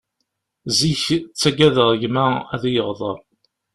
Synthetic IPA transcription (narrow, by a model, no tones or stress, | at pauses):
ziçt͡sːæɡæðəʁˤʝmææðjəʁðˤə̰ɾ